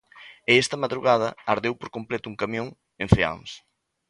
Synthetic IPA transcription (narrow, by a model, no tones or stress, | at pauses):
eɛst̪ɐmaðɾuɣað̞ɐaɾðewpoɾkomplɛt̪ʊuŋkamjõŋ | enɱfea̰ŋs